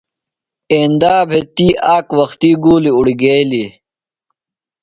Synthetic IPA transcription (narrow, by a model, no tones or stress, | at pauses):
eːnd̪aːbʱet̪iːʔaːkwɐxt̪iɡuːliuɽiɡeːli